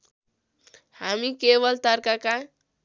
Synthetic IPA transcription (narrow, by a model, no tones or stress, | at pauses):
hamikebʌlt̪ʌɾkaka